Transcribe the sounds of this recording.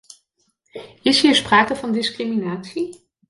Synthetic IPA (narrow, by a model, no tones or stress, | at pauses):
ɪsɦiːɹspraːkəvɑndɪskriminaːtsi